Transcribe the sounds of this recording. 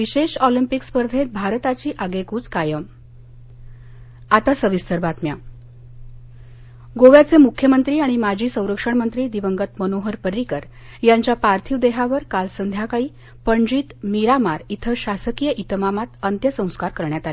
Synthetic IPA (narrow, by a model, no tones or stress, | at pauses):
ʋiɕeɕɔlimpikspəɾd̪ʱet̪̚bʱaɾt̪at͡ɕiːʔaɡekuːt͡skajəm | at̪asəʋist̪əɾbat̪mja | ɡoʋjat͡semukʰjəmənt̪ɾiːaɽ̃imad͡ʑʱiːsə̃w̃ɾəkʂəɳmənt̪ɾiːd̪iʋəŋɡət̪mənoɦəɾpəɾikəɾ | jaɲt͡ɕjapaɾt̪ʰiːʋd̪eɦaʋəɾkalsənd̪ʱjakaɭiː | pəɳd͡ʑiːt̪miɾamaɾit̪ʰəɕasəkijəʔit̪əmamat̪ənt̪jəsə̃w̃skaɾkəɾɳjat̪ali